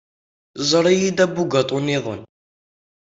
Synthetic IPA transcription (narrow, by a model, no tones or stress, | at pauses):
zˤəɾˤijid̪æbːuɡɑt̪ˤuniðə̰n